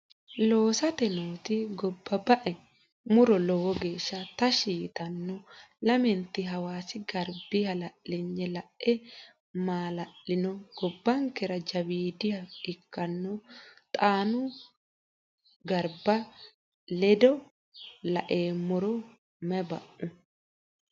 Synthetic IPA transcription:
lo̞ːsɐt̪ɛnoːt̪ɪɡɔbːɐbɐʔɛ | mʊɾɔlɔwɔɡeːʃːɐt̪ɐʃiːt̪ɐnːɔlɐmɛnt̪ːɪɦɐwaːsɪɡɐɾbɪhɐlɐʔlɪɲːɛlɐʔɛ | maːlɐʔɪnɔɡ̥ɔbːɐŋkɛɾɐd͡ʒɐbiːd̪ɪhɐɪkːɐnːɔt̪ʼaːnʊ | ɡɐɾbɐ | lɛd̪ɔ | lɐʔeːmʊɾɔ | mɛbɐ̰ʔʊ

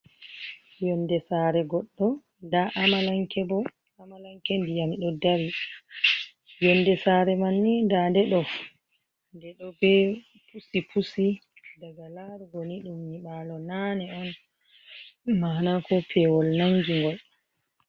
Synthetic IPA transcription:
jɔndɛsaːɾɛɡɔɗːɔ | ndaʔamalaŋkɛbɔ | amalaŋkɛndijamɗɔdaɾi | jɔndɛsaɾɛmanːindandɛɗɔ | ndɛɗɔbɛ | pʰusipʰusi | daɡalaɾɡɔniɗumːiɓalɔnanɛɔn | manakɔpʰɛwɔlnaŋɡiŋɡɔl

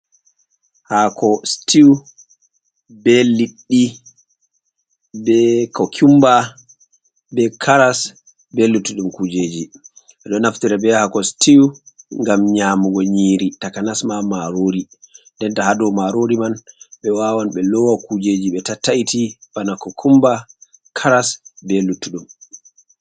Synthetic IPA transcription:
hakʰɔstiw | belːiɗːi | bɛkɔkʰumba | bɛkʰaɾas | belːutuɗumkud͡ʒeːd͡ʒi | ɛɗɔnaftiɾɛbɛhakɔstiwŋɡamɲamuɡɔɲiːɾitakanasmamaɾoːɾindɛntahadɔmaɾoɾimanɓɛwawanɓɛlɔwakud͡ʒed͡ʒiɓɛtataitʰibanakɔkʰumba | kʰaɾasbelutːuɗum

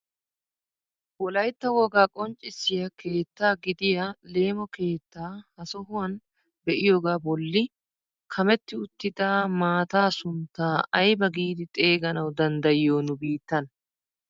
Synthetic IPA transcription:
wɔlɐjt̪ːɐwɔɡaːkʼɔnt͡ʃʼːɪsːɪjɐkʰe̞ːt̪ːaːɡɪd̪ɪjɐle̞ːmɔke̞ːt̪ːaːhɐsɔɦʊwɐn | bɛʔɪjoːɡaːbɔlːɪ | kʰɐmɛt̪ːɪʊt̪ːɪd̪aːmaːt̪aːsʊnt̪ːaːʔɐjbɐɡiːd̪ɪt̪ʼe̞ːɡɐnɐwd̪ɐnd̪ɐjoːnʊbiːt̪ːɐn

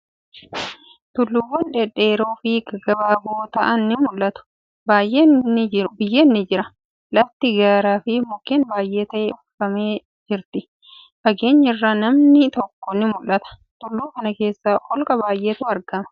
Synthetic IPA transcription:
t̪ʊlːʊwːɐnᶑeᶑeːɾo̞ːfikɐɡɐbaːɡoːt̪ɐʔɐnːɪmʊlːɐt̪ʊ̥ | baːjʔeːnːɪʊbɪjːeːnːɪd͡ʒɪɾɐ | lɐft̪ɪɡaːɾaːfɪmʊkːeːnbaːjʔe̞ːt̪ɐʔeːʊfɐme̞ː | d͡ʒɪɾt̪ɪ | fɐɡe̞ːɲːɐrːaːnɐmnɪt̪ɔkːɔnːɪmʊlːɐt̪ɐ̥t̪ʼʊlːuːkɐnɐke̞ːsːaːʔɔlkʼɐbaːjʔeːt̪uːɐɾɡɐmɐ̥

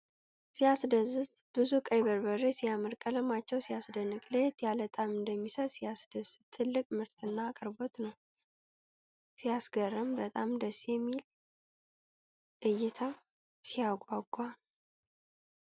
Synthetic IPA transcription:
sijasd̪əzɨtb̥ɨzukʼəjβəɾbəresijamɨɾkʼələmat͡ʃːɛwsijasd̪ənɨkʼlet̪jalət̪ʼamɨnd̪əmːisəɾsijasd̪əzːɨt̪ʰːɨlːɨkʼmɨɾt̪ʰɨnːaːkʼəɾbo̞t̪nəw | sijasɡərːəmbət̪ʼamd̪əsjɛmːil | ʔɨjːɪt̪ʰa | sijaɡʼaɡʷʼa

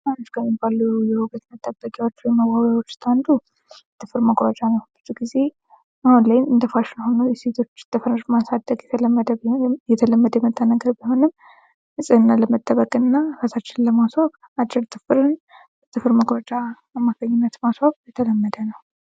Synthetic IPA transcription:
anot͡ʃkʰəmibalːujɛhuɡət̪nət̪ʼːəbəkʼjawo̞t͡ʃːwɔjməɡaβjawo̞t͡ʃːst̪ʰʼand̪u | jɛt̪ʰɨfɨɾməɡɾat͡ʃʼanəwbɨzuɡize̞ | ahunlajnɨnd̪əfaʃɪnhonəwjɛse̞t̪ʰo̞t͡ʃːt̪ʼɨfɾɨmasad̪əɡjɛt̪ʰələmːəd̪əjɛt̪ʰələmːəd̪əjɛmət̪ʼːənəɡəbiho̞nɨm | hɨsʼɨɨnːaləmət̪ʼːəβəkʼɨnːafasat͡ʃːɪnləmaswaβ | at͡ʃːɪɾt̪ʰʼɨfɨɾɨn | t̪ʰɨfɨɾməɡɾat͡ʃʼa | amːaɡəɲːunːət̪maswaβjɛt̪ʰələmːəd̪ənəw

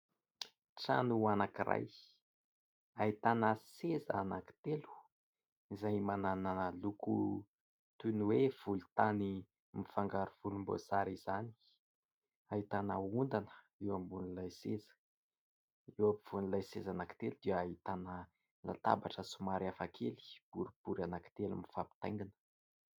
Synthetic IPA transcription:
ʈ͡ʂa̰nuanakira̰j | aɦit̪anəsezaanaki̥t̪elu̥ | izajmanananəluku | t̪unwev̥ulut̪ani | mifaŋɡaɾuv̥ulumbo̰saɾiz̥ani̥ | aɦit̪anəund̪anə̥ | iwambunilajsezə̥ | iwapiv̥unilajsezanaki̥t̪elud̪iəːɦit̪anə | la̰t̪a̰baʈ͡ʂəsumaɾiafakʰeli̥b̥uɾib̥uɾanaki̥t̪elṵmifapi̥t̪ajŋɡinə̥

